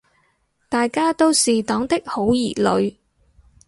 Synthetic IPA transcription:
t̪aː˨jkaː˥t̪o˥wsiː˨t̪ɔː˨˥ŋt̪ɪ˥k̚ho˨˥wjiː˨˩lɵ̰˨˧ɥ

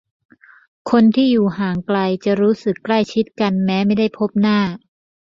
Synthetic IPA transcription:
kʰo˧nt̪ʰiː˥˩juː˨˩ɦaː˩˦ŋkla˧jt͡ɕa˨˩ɾuː˦˥sɯ˨˩kːla˥˩jt͡ɕʰi˦˥t̪̚ka˧nmɛː˦˥ma˥˩jda˥˩jpʰo˦˥p̚naː˥˩

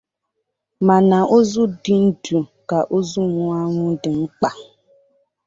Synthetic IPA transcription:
ma˨na˨ʔo˦zʊ˦dɪ˨n̩˦du˨ka˨ʔo˦zu˦ŋʷʊ˦a˦ŋʷʊ˦dɪ˨ŋ͡m̩˦k͡pa˨

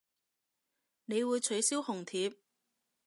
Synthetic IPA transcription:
ne˨˧jwuː˨˧jt͡ʃʰɵ˨˥ɥsiː˥whʊ˨˩ŋt̪ʰiː˨˧p̚

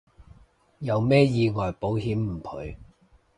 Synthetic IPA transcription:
jɐ˨˧wmɛː˥jiː˧ŋɔː˨˩jpo˨˥wɦiː˨˥mm̩˨˩kʰɵ̰˨˧ɥ

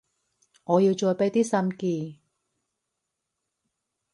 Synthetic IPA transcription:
ŋɔː˨˧ji˧wt͡ʃɔː˧jpe˨˥jt̪iː˥sɐ˧mkiː˧

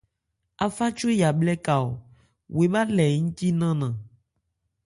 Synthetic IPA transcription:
a˨fa˦t͡ʃo˦ja˨blɛ˦ka˨o̰˨ | we˨ba˦lɛ˨ŋũ˦t̪i˦nã˦nã˨

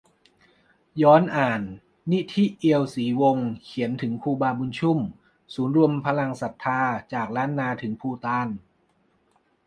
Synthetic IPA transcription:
jɔː˦˥nʔaː˨˩nː | i˦˥t̪ʰi˦˥ʔi˧əwsiː˩˦wo˧ŋkʰi˩˦ənt̪ʰɯ˩˦ŋpʰuː˧baː˧bu˧nt͡ɕʰu˥˩m | suː˩˦nɾu˧əmpʰa˧la˧ŋsa˨˩t̪ʰːaː˧t͡ɕaː˨˩k̚ɾaː˦˥nːaː˧t̪ʰɯ˩˦ŋpʰuː˧t̪aː˧n

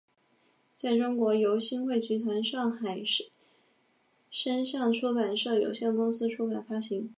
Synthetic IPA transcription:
t͡sa˥˩ɪʈ͡ʂʊ˥ŋkwɔ˧˥jo˧˥ʊɕi˥ŋxwe˥˩ɪt͡ɕʰy˧˥t̪ʰwa˧˥nʂɑ˥˩ŋxa˨˩ɪʂ | ʂə˥nʂɑ˥˩ŋʈ͡ʂʰu˥pa˨˩nʂɤ˥˩jo̰˨˩ʊɕjɛ˥˩nmwɔ˥sɹ̩˥ʈ͡ʂʰu˥pa˨˩nfa˥ɕi˧˥ŋ

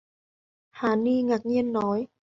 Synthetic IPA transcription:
haː˨˩niː˧ŋa˨˩k̚ɲi˧ənːɔ˨˦j

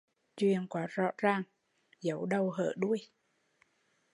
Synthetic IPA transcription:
t͡ɕwḭ˨ənkwaː˨˦zɔ̰˧˥zaː˨˩ŋ | zə˨˦wɗə˨˧˩wɦə̰ː˧˩ɗu˧əj

